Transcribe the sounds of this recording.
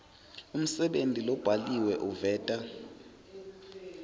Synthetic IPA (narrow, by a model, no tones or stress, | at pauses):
um̩sɛɓentʼilɔb̥ʱaliwɛʔuvɛːtʼa